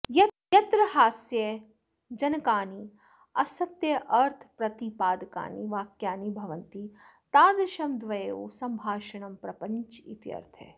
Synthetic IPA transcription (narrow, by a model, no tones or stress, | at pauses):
jɐjɐt̪ɾɐɦaːsjɐ | d͡ʒɐnkaːni | ɐsɐt̪jɐʔɐɾt̪ʰpɾɐt̪ipaːd̪ka̰ːnḭʋaːkjaːnibʱɐʋɐnt̪it̪aːd̪ɾɪʃɐmd̪ʋɐjeo̰ːsɐmbʱaːʃɐɳɐmpɾɐpɐ̃nt͡ʃḭt̪jɐ̰ɾt̪ʰḛ